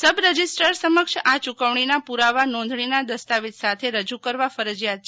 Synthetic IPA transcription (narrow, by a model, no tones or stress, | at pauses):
səbɾəd͡ʒisʈəɾsəməkʃat͡ʃukəʋɳ̃inapuɾaʋanɔ̃nd̪ʱɳ̃inad̪əst̪aʋit̪sat̪ʰeɾəd͡ʒukəɾʋafəɾəd͡ʒjat̪̚t͡ʃʰe